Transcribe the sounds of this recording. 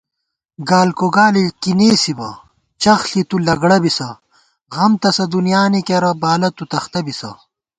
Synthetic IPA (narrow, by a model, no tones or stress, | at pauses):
ɡaːlkoɡaːlikineːsibɐ̰ | t͡ɕɐxɬit̪ulɐɡɽɐbisɐ | ɣɐmt̪ɐsɐd̪unjaːnikeɾɐbaːlɐt̪ut̪ɐxt̪ɐbisɐ̰